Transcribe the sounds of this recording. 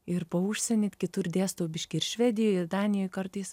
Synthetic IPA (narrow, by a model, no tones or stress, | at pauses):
ɪɾpɐʊʃʲsʲɛnʲet̪ʲkʲɪt̪ʊɾd̪ʲeːst̪oːbʲɪʃʲkʲɪɪɾʃʲʋʲɛd̪ʲɪjoːjɪɾd̪ɑːnʲɪjoːjkɐɾt̪ɐɪs